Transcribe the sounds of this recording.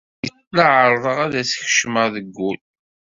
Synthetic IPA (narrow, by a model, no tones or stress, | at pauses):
jəslaʕəɾˤðˤəʁæðæsç̥ʃməʁðəɡːul